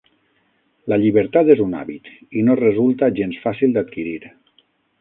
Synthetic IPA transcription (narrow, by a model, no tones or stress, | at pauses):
laʎiβəɾt̪at̪ezuna̰βit̪inorezulˠt̪aʒensfasilˠd̪at̪̚kiɾiɾ